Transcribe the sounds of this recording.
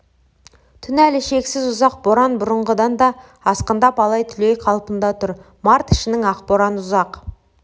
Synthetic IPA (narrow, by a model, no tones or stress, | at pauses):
t̪ʰʏnælɪʃe̞ksɪzʊzɑq̚boɾɑnbʊɾəɴʁəd̪ɑnd̪ɑ | ɑsqənd̪ɑpɑlˠɑjt̪ʰʏle̞jqʰɑlˠpənd̪ɑt̪ʰʊɾ | mɑɾt̪ɪ̥ʃɪnɪŋɑqpoɾɑnʊzɑq